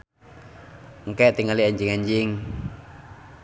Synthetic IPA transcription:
ŋkɛʔt̪iŋaliaɲd͡ʒiŋaɲd͡ʒiŋ

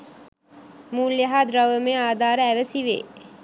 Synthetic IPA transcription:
muːljɐɦaːd̪ɾawəmeaːd̪ʱaːɾəæʋəsiʋḛː

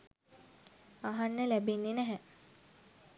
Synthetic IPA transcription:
aɦanːəlæbenːenæɦɛ

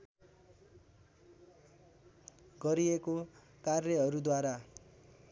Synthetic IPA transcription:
ɡʌɾieko | karjʌɦʌɾud̪waɾa

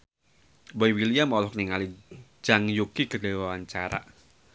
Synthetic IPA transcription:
boiwiliamɔlɔhkniŋalid͡ʒ̥aŋjukikədewawaɲt͡ʃaɾa̰

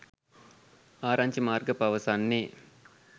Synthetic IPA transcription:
aːɾaɲt͡ʃimaːrɡəpaʋəsanːe

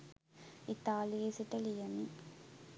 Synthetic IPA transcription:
it̪ːaːliesiʈːɐlijɐni

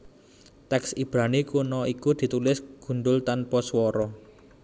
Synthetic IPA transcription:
t̪ɛksib̥ɾanikunɔikud̪̥i̤t̪ulɪsɡ̥ṳnɖʊlt̪anpɔswɔɾɔ

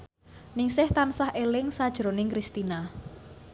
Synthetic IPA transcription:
nɪŋsɪht̪ansahʔelɪŋsad̥ʒ̥ɾonɪŋkɾist̪ina

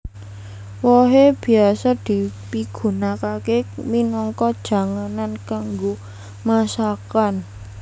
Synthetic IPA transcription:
wɔɦeb̥i̤asad̪̥i̤piɡ̥ṳnakakeminɔŋkɔd̥ʒ̥a̤ŋanankaŋɡo | masakan

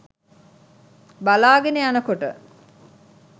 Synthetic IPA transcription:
balaːɡeneanəkoʈə̰

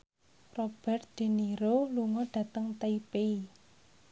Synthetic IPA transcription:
rɔb̥ɛrt̪̚d̪̥e̤niɾoluŋɔɖ̥ä̤t̪əŋt̪eipei

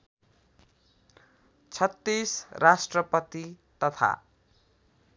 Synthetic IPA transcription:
t͡sʰʌt̪ːisrasʈrʌpʌt̪it̪ʌt̪ʰa̰

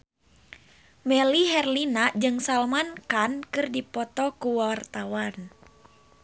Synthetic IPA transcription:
mɛliɦɛrlinad͡ʒɨŋsalmankankɨrdipɔt̪ɔkuwart̪awan

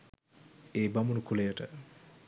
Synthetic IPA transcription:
eːbamunukʰulejəʈə̰

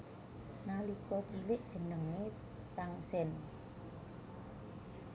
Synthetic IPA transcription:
nalikɔt͡ʃilɪʔd̥ʒ̥ə̤nəŋːe | t̪aŋsɛn

